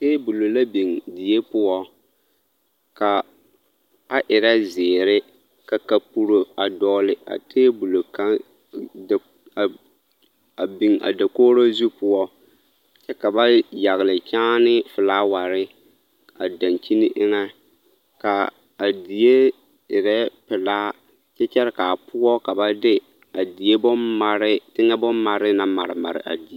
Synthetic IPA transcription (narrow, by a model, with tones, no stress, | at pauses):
teː˦bu˨lo˨la˦bi˨ŋdi˨je˦pʊ˦ɔ˦ | ka˨ | a˦ʔɪ˨ɾa˦zɪː˨ɾɪ˦ | ka˨ka˦pu˦ɾo˨a˨dɔː˦lɪ˨a̰˨tʰeː˦bu˨lo˨ka˦˨ | a˨bi˨ŋa̰˨da˨koː˦ɾo˦zu˦pʊ˦ɔ˦ | t͡ʃɛ˦ka˨ba˦ja˨ɣɪ˨lɪ˨t͡ʃaː˦nɪ˦fʊ˨laː˦wa˨ɾɪ˦ | a̰˨da˨nt͡ʃi˦ni˦ʔɪ˦ŋɛ˦ | ka˨ | a˨di˨je˦ | ɪ˨ɾɛ˦pɪ˨laː˦ | t͡ʃɛ˦t͡ʃɛ˦ɾɪ˦ka˨pʊ˦ɔ˦ka˨ba˦dɪ˦ | a˨di˨je˦bʊ˦ma˦ɾɪ˦tɪ˦ŋɛ˦bʊ˦mːa˨ɾɪ˦na˨ma̰˨ɾɪ̰˨ma̰˨ɾɪ̰˨ʔa̰˨di˨e˦